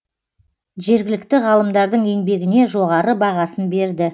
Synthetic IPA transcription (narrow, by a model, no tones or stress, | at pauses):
ʒe̞ɾɡʲɪlɪk̚t̪ɪʁɑlˠəmd̪ɑɾd̪əɴe̞ŋbe̞ɡʲɪne̞ʒo̞ʁɑɾəbɑʁɑsənbe̞ɾd̪ɪ